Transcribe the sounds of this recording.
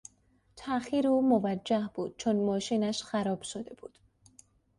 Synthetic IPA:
t̪ʰæxiːɾuːmovæd͡ʒːæhb̥uːd̪̥̚t͡ʃʰonmɒːʃiːnæʃxæɾɒːb̥ʃod̪e̞b̥uːd̪̥

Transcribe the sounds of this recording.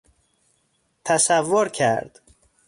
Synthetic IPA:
t̪ʰæsævːoɾcʰæ̰ɾd̪̥

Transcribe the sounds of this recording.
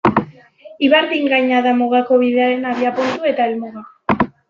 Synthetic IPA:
iβaɾdiŋɡajɲaðamoɣako̞βiðeaɾe̞naβjapunt̪ue̞t̪aelmoɣa

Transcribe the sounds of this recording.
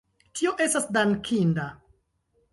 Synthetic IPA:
tʰio̞ʔe̞stasdaŋkʰinda

